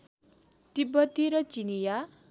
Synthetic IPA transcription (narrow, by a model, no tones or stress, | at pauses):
d̪̥ibʌt̪iɾʌt͡ʃinija